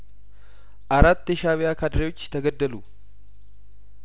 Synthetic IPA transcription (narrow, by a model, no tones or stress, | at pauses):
ʔaɾat̪ːəʃaβeakʰad̪ɾewo̞t͡ʃːt̪ʰəɡəd̪ːəlu